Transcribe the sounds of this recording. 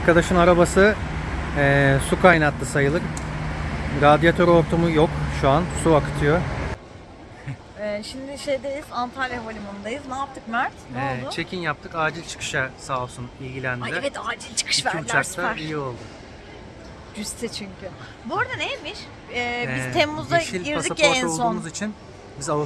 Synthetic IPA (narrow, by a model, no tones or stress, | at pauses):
aɾkad̪aʃɯnaɾabasɯ | ɛːsukʰajnat̪lˠɯsajɯlˠɯɾ | ɾad̪ijat̪ʰøɾo̞ɾt̪ʰumujokʃuansuakɯ̥t̪ʰɯjo | ɛːʃimd̪ɪʃejd̪ejizant̪ʰaɾjaɦolʲymond̪ajɯznaːp̚t̪ʰɯkmaɾt̪noɛlˠʊt͡ʃʰe̞cʰinjap̚t̪ʰɯkaːd͡ʒilʲt͡ʃʰɯ̥kʰɯ̥ʃasaːlˠsunilʲɟilʲænd̪ɛvɛt̪ʰaːd͡ʒilʲt͡ʃʰɯ̥kʰɯ̥ʃvæɾlt͡ʃ̪ʲaɾst̪aæɾijjio̞lˠd̪ʊ | d͡ʒyst̪ʰɛt͡ʃʰyɲcʰy | buɾd̪anejmiʃ | ɛːbizʰemːuzd̪aʃilʲɟiɾpasd̪iacɾɛnolˠounːmuzit͡ʃʰin | bizalˠ